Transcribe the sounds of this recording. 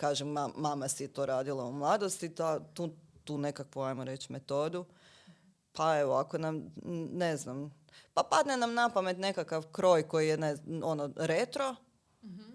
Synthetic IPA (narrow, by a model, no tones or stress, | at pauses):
kaːʒemaːamasijet̪o̞ɾaːd̪ilˠaumlˠaːd̪ost̪it̪at̪uːt̪uːne̞kakʋuajmoɾe̞t͡ʃme̞t̪o̞ːd̪u | paeʋoako̞namneznam | papad̪nenamnapame̞t̪ne̞kakaʋkɾo̞ːjko̞jijeneo̞noɾet̪ɾo̞